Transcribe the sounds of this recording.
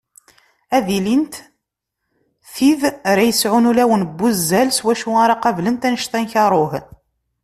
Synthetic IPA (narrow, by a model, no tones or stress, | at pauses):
æðilint̪ | θiðɾæjəsʕʊnulæwənbːuzːælswæʃuaɾˤɑqɑvlənt̪ænəʃt̪ænçɑɾˤoh